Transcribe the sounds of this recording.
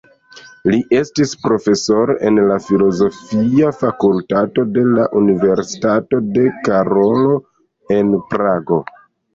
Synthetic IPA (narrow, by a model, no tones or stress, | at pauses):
liʔe̞stispɾo̞fe̞so̞ɾʔe̞nlafilo̞zo̞fiafakultato̞de̞laʔunive̞ɾsi̥tato̞de̞kaɾo̞lo̞ | e̞npɾaɡo̞